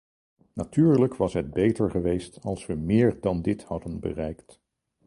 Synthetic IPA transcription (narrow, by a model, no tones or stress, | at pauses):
natyːɹləkʋɑsɦəd̚bejtəɹχəʋejstɑlˠsʋəmɪːɹdɑndɪthɑdənbə̰rɛjkt